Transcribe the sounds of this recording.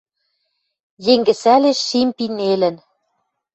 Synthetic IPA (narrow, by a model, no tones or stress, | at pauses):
jeŋɡɘ̆sæleʃːimpinelɘ̆n